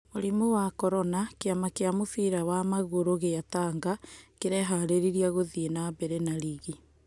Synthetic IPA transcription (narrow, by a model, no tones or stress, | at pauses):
moɾimowakɔɾɔnakeamakeamofiɾawamaɣoɾoɣejataːŋɡakeɾɛɦaɾeɾiɾiaɣoðienabɛɾɛnaɾiɣi